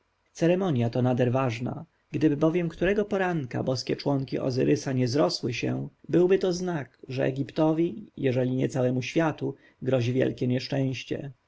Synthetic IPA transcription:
t̪sɛɾɛmɔɲjat̪ɔnad̪ɛɾvaʐna̰ | ɡd̪ɘbɘbɔvʲjɛmkt̪uɾɛɡɔpɔɾaŋka̰bɔskʲɛt͡ʂwɔŋkʲḭʔɔ̰zɘ̰ɾʔɘsaɲɛzɾɔswɘɕɛ̰̃bɘwbɘt̪ɔznakʐɛ̰ʔɛ̰ɡʲipt̪ɔvʲijɛʐɛlʲiɲɛt̪sawɛmuɕfʲjat̪u | ɡɾɔʑivʲjɛ̰lkʲɛɲɛʂt͡ʂɛ̃w̃ɕt͡ɕɛ̰

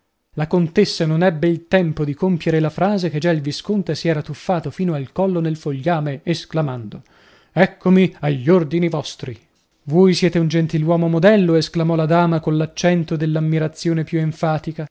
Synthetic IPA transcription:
lakont̪esːanonɛbːeilt̪ɛmpod̪ikompjeɾelafɾaːzeked͡ʒailviskont̪esiɛːɾat̪ufːaːt̪ofiːnoalkɔlːonelfoʎːaːmeesklamand̪o | ɛkʰːomiaʎːord̪inivɔst̪ɾi | vojsjɛːt̪eund͡ʒent̪ilwɔːmomod̪ɛlːoesklamɔlad̪aːmakonlat͡ʃːɛnt̪od̪elːamːiɾat̪sːjoːnepjueɱfaːt̪ika

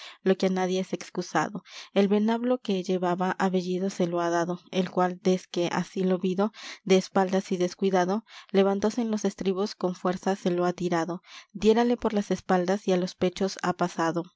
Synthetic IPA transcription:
lo̞keanaðje̞ese̞kskusa̰ðo̞e̞lβe̞naβlo̞ke̞ʝe̞βaβaʔaβe̞ʝiðose̞lo̞aðaðo̞e̞lkwald̪e̞ske̞ʔa̰silo̞βiðo̞d̪e̞ːspald̪asiðe̞skwiðaðo̞le̞βant̪o̞se̞ːnlo̞se̞st̪ɾiβo̞sko̞ɱfwe̞ɾsase̞loat̪iɾaðo̞d̪je̞ɾale̞po̞ɾlase̞spald̪asialo̞spe̞t͡ʃo̞sa̰pasaðo̞

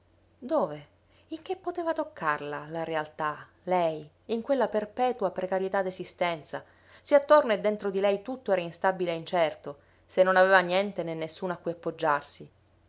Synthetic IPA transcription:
d̪oːve | iŋkepːot̪eːvat̪okʰːarlalaɾealt̪a | lɛj | iŋkwelːaperpɛːt̪uapɾekaɾjet̪ad̪esist̪ɛnt̪sa | siat̪ːorned̪ːent̪ɾod̪ilɛjt̪ut̪ːoɛːɾainst̪abileint͡ʃɛrt̪o | senːonaveːvanjɛnt̪enenːesːuːnoakːujapːod͡ʒːarsi

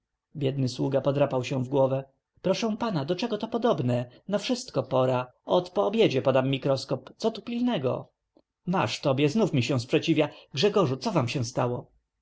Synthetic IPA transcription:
bʲjɛd̪̚nɘswuɡapɔd̪ɾapawɕɛw̃vɡwɔvɛ | pɾɔʂɛ̃panad̪ɔt͡ʂɛɡɔt̪ɔpɔd̪ɔbnɛnafʂɘst̪kɔpɔɾaɔt̪pɔːbʲjed͡ʑɛpɔd̪amːʲikɾɔskɔpt̪sɔt̪upʲilnɛɡɔ̰ | ma̰ʂt̪ɔbʲjɛznufmʲiɕɛ̃w̃spʂɛt͡ɕivʲjaɡʐɛɡɔʐut̪sɔvamɕɛ̃st̪awɔ

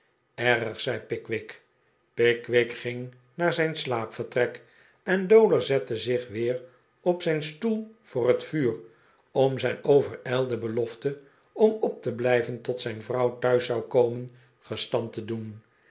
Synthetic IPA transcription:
ɛɾəχsɛjpɪkʋɪk | pɪkʋɪkχɪŋ | naːɹzɛjnslaːpfəɹtrɛk | ɛndowləzɛtəzɪχʋɪːr | ɔpsɛjnstulˠv̥ʊːrətfyːr | ɔmzɛjnowvəɹɛlˠdəbəlɔftə | ɔmɔp̚təblɛjvəntɔtsɛjnvrɑwtœɥsɑwkowmən | χəstɑntədun

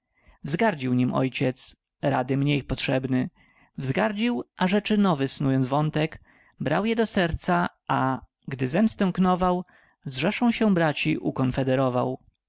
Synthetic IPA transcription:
vzɡaɾd͡ʑiwɲimɔ̰jt͡ɕɛt̪s | ɾa̰d̪ɘmɲejpɔtʂɛbnɘ | vzɡaɾd͡ʑiwʔaʐɛt͡ʂɘnɔvɘsnujɔnzvɔnt̪ɛk | bɾawjɛd̪ɔsɛɾt̪sa | a | ɡd̪ɘzɛmst̪ɛ̃w̃knɔvaw | zʐɛʂɔ̃w̃ɕɛbɾat͡ɕiʔukɔnfɛd̪ɛɾɔvaw

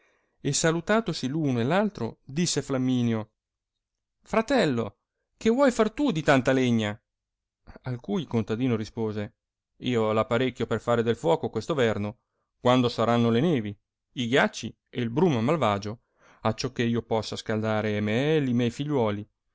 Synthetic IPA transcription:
esalut̪aːt̪osiluːnoelːalt̪ɾo̰d̪isːeflamːiːnjo | fɾat̪ɛlːo | kevwɔjfart̪ud̪it̪ant̪aleɲːa | alkujkont̪ad̪iːnoɾispoːze | iːolapaɾekʲːjoperfaːɾed̪elfwɔːkokwest̪ovɛrno | kwand̪osaɾanːolenɛːvi | iɡjat͡ʃːi | eilbɾuːmamalvaːd͡ʒo | at͡ʃːɔkːeiːopɔsːaskald̪aːɾemeɛlːimjɛjfiʎːwɔːli

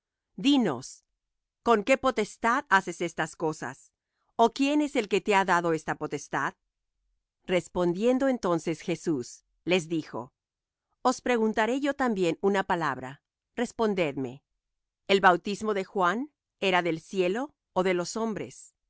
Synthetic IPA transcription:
d̪ino̞̰s | ko̞ŋke̞po̞t̪e̞st̪aðase̞se̞st̪asko̞sa̰s | okje̞ne̞se̞lke̞t̪eaðaðo̞e̞st̪apo̞t̪est̪að | re̞spo̞nd̪je̞nd̪o̞e̞nt̪o̞nse̞sxe̞sus | le̞zðixo̞̰ | ospɾe̞ɣunt̪aɾe̞ʝo̞t̪ambje̞nunapala̰βɾa̰ | re̞spo̞nd̪e̞ðme̞̰ | elβawt̪izmo̞ðe̞xwan | eɾaðelsje̞loː | ðe̞lo̞so̞mbɾe̞̰s

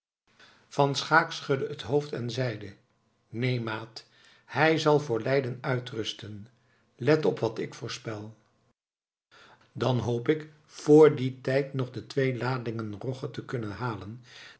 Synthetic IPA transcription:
fɑnsχaːksχɵdəətɦowftɛnzɛjdə | nejmaːt | hɛjzɑlˠvʊːɹlɛjdənœɥtrɵstən | lɛtɔpʋɑtɪkfʊːɹspɛlˠ | dɑnɦowpɪk | fʊːɹditɛjtnɔχdətʋejlaːdɪŋənrɔχətəkɵnənɦaːlən

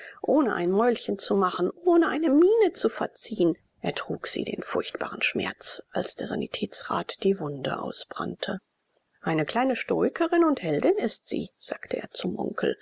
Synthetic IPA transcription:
ʔoːnəʔa̰ɪnmɔʏlçənt͡sumaχn̩ʔoːnəʔaɪnəmiːnət͡sufɛɐt͡siːən | ʔeɐtʁ̥uːkz̥ḭːdḛːnfʊɐçtb̥a̰ːʁən̩ʃmɛ̰ɐt͡sʔalsd̥eːɐza̰nḭtʰɛːt͡sʁa̰ːtd̥iːvʊndə̰ʔa̰ʊsb̥ʁa̰ntʰə | ʔaɪnəkl̥aɪnəʃtoːɪkʰəʁɪnʊnthɛldɪnɪstz̥ḭːz̥aːktʰəʔḛːɐt͡sʊmʔɔ̰̃ŋkl̩

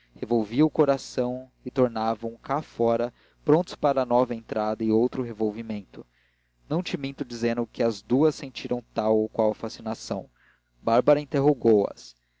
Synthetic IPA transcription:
hevowviɐʊkoɾasɐ̃w̃ | ɪt̪oɾnavɐ̃w̃kafɔɾɐ | pɾõnt̪ʊ̥spaɾɐnɔvɐẽnt̪ɾad̪ɐɪowt̪ɾʊɦevowvimẽnt̪ʊ | nɐ̃w̃t͡ʃɪmĩnt̪ʊd͡ʒizẽnd̪ʊkɪɐzd̪uɐsẽnt͡ʃiɾɐ̃w̃t̪awowkwawɐfasinasɐ̰̃w̃ | baɾbɐɾɐĩnt̪eɦoɡowɐ̰s

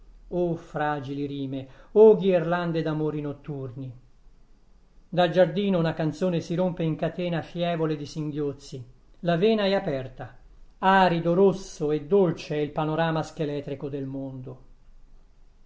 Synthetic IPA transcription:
ofɾaːd͡ʒiliɾiːmeoɡierland̪ed̪amoːɾinot̪ːurni | d̪ald͡ʒard̪iːnounakant̪soːnesiɾompeiŋkat̪ɛːnafjɛːvoled̪isiŋɡjot̪sːi | lavɛːnaɛapɛrt̪a | aːɾid̪oɾosːoed̪ːolt͡ʃeɛilpanoɾaːmask̟elɛːt̪ɾikod̪elmond̪o

